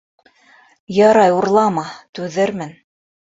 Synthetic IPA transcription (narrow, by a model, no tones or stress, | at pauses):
jɑɾɑjuɾlˠɑmɑt̪ʉðɘɾmɘn